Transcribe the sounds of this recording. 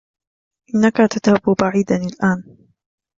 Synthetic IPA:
ʔɪnːakat̪ad̪habʊbaʕiːd̪anɪlʔaːn

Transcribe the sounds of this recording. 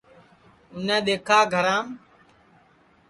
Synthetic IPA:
ʊnẽːɗ̪eːkʰaːɡʱəɾãːm

